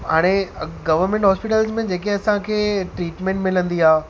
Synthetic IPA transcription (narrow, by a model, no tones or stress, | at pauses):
ɦaːɽ̃eɡɐʋəɾmẽɳʈɦɔːspɪʈəlzmẽd͡ʑeːk̬eɐsãkʰeːʈɾiːʈmẽɳʈmɪlə̃nd̪iaː